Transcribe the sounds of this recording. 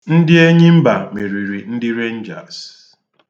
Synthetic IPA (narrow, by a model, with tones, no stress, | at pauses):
n̩˦dɪ˦e˦ɲɪ˦m̩˦ba˨me˨ɾi˨ɾi˨n̩˦dɪ˦ɾe˦n̩˦d͡ʒa̰˨ɾs